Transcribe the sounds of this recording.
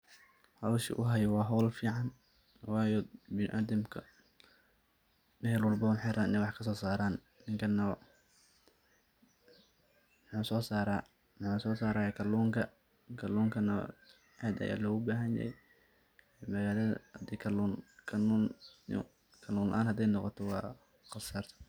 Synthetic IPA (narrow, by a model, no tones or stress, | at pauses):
hɐwʃɪ̰ʔʊ̰ɦɐjɔwɑːɦɔlfiːʕɑn | wɑːjɔbɪnɪʔaːd̪ɐmkʰɐ | nɛːlwʊlbɐʊħɛɾʔaːnɛwɑħkʰɐsɔːsaːɾaːnːɪŋkʰɐnɐ | mħuːsɔːsaːɾa | mɑħuːsɔːsaːɾaːjɐkʰɐluːŋkʰɐ | kʰɐluːŋkʰɐnɐ̰ | ʕɛːd̪ɐ̰ja̰ːlɔːɣʊbaːɦɐnjɐ̰hɛ̰j | mɐɣaːlɐðɐhd̪ikʰɐluːnkʰɐnun | kʰɐluːnlɐ̰ʔaːnhɐd̪ɛjnɔqɔt̪ʰɔwɑː | qɑsart̪ʰ